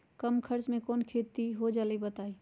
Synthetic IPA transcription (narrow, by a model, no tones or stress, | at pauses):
kəmkʰəɾt͡ʃmẽkɔːnkʰet̪iɦod͡ʒaːlibət̪aːi